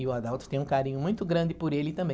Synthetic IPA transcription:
ɪʊad̪ɛwt̪ʊ̥t̪ẽj̃ũkaɾĩɲʊmũj̃t̪ʊɡɾɐ̃nd͡ʒ̪ɪpʊɾelɪt̪ɐ̃mbẽ

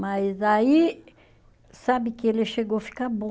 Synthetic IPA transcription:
majzai | sabɪkɪelɪʃeɡofi̥kabõ

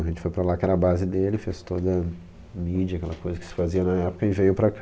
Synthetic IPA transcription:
ɐʒẽnt͡ʃɪ̥fojpɾɐlakɛɾɐabazɪd̪elɪfest̪od̪ɐ | mid͡ʒɐkɛlɐkojzɐkɪ̥sɪ̥faziɐnɐɛpʊ̥kɐɪvejʊpɾɐk

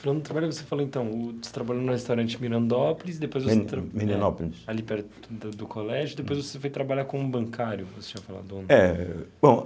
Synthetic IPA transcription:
falɐ̃nd̪d̪ʊt̪ɾabaʎʊvosefaloẽt̪ɐ̃w̃ʊse̥t̪ɾabaʎonʊhest̪awɾɐ̃nt͡ʃɪmiɾɐ̃nd̪oplizd̪epojzvoset̪ɾmiɾɐ̃oplisalipɛɾt̪ʊʊd̪d̪ʊkʰolɛʒʊd̪epojzvosefojt̪ɾabaʎakõũbɐ̃ŋkʰaɾjʊvose̥t͡ʃĩʒ̃ɐfala̰d̪õnɛbõw̃

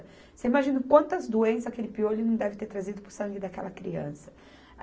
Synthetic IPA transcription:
seimaʒĩnʊkwɐ̃nt̪ɐzd̪uẽsɐakelɪpiolʊnɐ̃w̃d̪ɛvɪt̪eɾt̪ɾazid̪ʊpʊsɐ̃ŋɡɪd̪akɛ̰lɐkɾiɐ̰̃sɐ̥

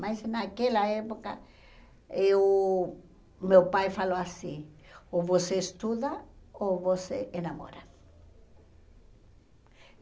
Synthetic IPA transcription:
majsnakelaepoka | ew | mewpajfaloasioβoseest̪uðaoβosḛenamo̰ɾa

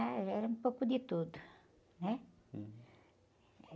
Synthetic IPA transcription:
aɛɾɐumpokud̪it̪ud̪ | nɛ

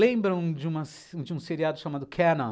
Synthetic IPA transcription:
lẽbɾɐ̃w̃d͡ʒɪũmɐs | ũd͡ʒɪũseɾiad̪ʊʃamad̪ʊkʰɛnɐ̃

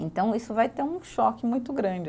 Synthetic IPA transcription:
ẽnt̪ɐ̃w̃isʊvajt̪eũʃɔkɪmũj̃t̪ʊɡɾɐ̃d͡ʒɪ

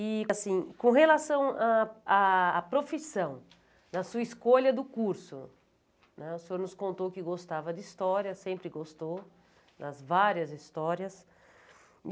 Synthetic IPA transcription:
ɪsĩkõɦelasɐ̃w̃aaːpɾofisɐ̃w̃ | nɐsuɐiskoʎɐd̪ʊkuɾsʊ̰ | nɛʊseoɾnʊskõnt̪owkɪɡost̪avɐd̪ɪist̪ɔɾjɐsẽmpɾɪɡost̪ow | d̪ɐzvaɾjɐzist̪ɔɾɐs

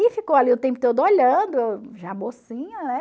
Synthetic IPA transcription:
ifikowaliʊt̪ẽpʊt̪od̪ʊoʎɐ̃d̪ʊʒabosĩɲɐnɛ

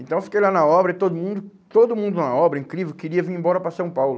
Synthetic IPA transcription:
ẽnt̪ɐ̃w̃fi̥kejlanɐɔbɾɐɪt̪od̪ʊmũnd̪ʊ | t̪od̪ʊmũnd̪ʊnɐɔbɾɐĩŋkɾivewkɪɾiɐviɾẽmbɔɾɐpɾɐsɐ̃w̃pawlʊ

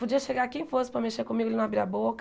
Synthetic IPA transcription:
pud͡ʒiɐʃeɡakẽj̃fosʊ̥pɾɐmeʃekõmiɡʊalinũabiɾɐbok

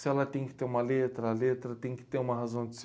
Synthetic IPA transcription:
salat̪iɲki̥t̪emalet̪ɾəlet̪ɾət̪iɲki̥t̪ẽmaɦazõnt͡s

